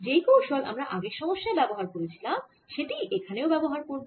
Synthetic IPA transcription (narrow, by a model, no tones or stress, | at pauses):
d͡ʑejkowʃolʔa̰mɾaʔaɡekʃɔmoʃːaebɛboɦaɾkoɾet͡ɕʰilam | ʃeʈiʔekʰaneobɛboɦaɾkoɾb